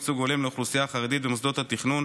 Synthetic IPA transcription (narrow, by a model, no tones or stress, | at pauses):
t͡suɡolemleoχlusijaːχaʁed̪it̪bemos̬d̪o̞t̪hat̪iχnun